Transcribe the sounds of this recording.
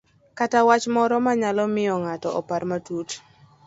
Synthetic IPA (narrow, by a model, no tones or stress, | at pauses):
katawat͡ʃmɔɾɔmaɲalɔmɪjɔŋatɔʔɔpaɾmatut